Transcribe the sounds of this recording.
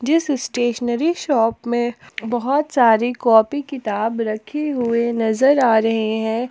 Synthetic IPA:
d͡ʒɪsɪsʈeːʃənəɾiʃɔːpmẽbɐɦɔt̪saːɾikɔːpikɪt̪aːbɾɐkʰeɦʊenɐzəɾaːɾɐɦeɦɛ̃ː

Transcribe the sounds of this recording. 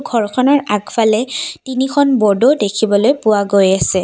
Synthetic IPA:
ɡʱɔɹkʰɔnɔɹaɡfʰalɛtinikʰɔnbɔdodekʰibɔlojpʊwaɡojasɛ

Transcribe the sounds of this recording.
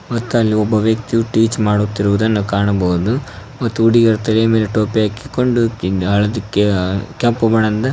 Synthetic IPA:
mɐt̪ːuɐlːiɔbːɐʋjɐk̚t̪ijuʈiːt͡ʃmaːɽut̪ːiɾuʋud̪ɐnːukaːɳɐbɐud̪umɐt̪ːuːɽiɡɐɾt̪ɐlejɐme̞ːleʈoːpijaːki̥koɳɖuɦɐɭɐd̪ikːekʲɐmpubɐɳɐnd̪ɐ

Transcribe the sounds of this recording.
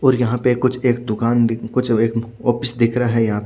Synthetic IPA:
ɔːɾjɐɦãpekʊt͡ʃʰeːkd̪ʊkaːnd̪ɪkʊt͡ʃʰeːk | ɔːpɪsd̪ɪkʰɾaɦɛjɐɦãpe

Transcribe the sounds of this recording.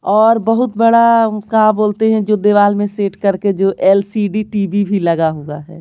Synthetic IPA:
ɔːɾbəɦʊt̪̚bɐɽakaboːlt̪eɦɛ̃d͡ʒoːd̪eːʋaːlmẽseːʈkɐɾked͡ʒoːʔɛːlsiɖiʈiːbibʱilɐɡaɦoaɦɛ̰ː

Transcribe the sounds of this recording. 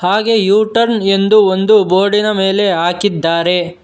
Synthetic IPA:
haːɡe̞juːʈɐɾne̞nd̪uond̪uboːɖinɐmeːle̞ɦaːkid̪ːaːɾe̞

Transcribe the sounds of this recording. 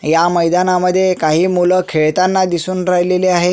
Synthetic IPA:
jaməjd̪anaməd̪ʱːjekaɦiːmuləkʰeɭt̪anːad̪isuːnɾajleleaɦe

